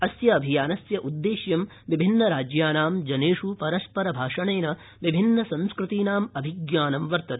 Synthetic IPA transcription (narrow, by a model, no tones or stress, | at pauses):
ɐsjɐːbʱijaːnɐsjɐʔud̪ːeːʃjɐm | ʋibʱinːɐɾaːd͡ʒjaːnaːmd͡ʒɐneːʂupɐɾɐspɐɾɐbʱaːʂɐɳeːnɐ | ʋibʱinːɐsɐ̃nskɾut̪iːnaːmɐbʱiɡjaːnɐmʋɐɾt̪ɐt̪